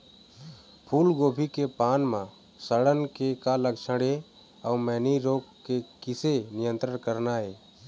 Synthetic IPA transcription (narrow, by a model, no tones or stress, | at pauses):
pʰuːlɡoːbʱikepaːnmã | səɽənkekaləkt͡ʃʰəɽe | əmɛːniɾoːkkekɪsenɪjə̃nt̪ɾənkəɾnaːɦeː